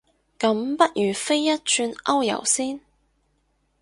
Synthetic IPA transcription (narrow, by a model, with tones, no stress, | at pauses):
kɐ˨˥mpɐ˥t̚jyː˨˩fe˥jːɐ˥t̚t͡ʃʰyː˧nɐ˥wjɐ̰˨˩wsiː˥n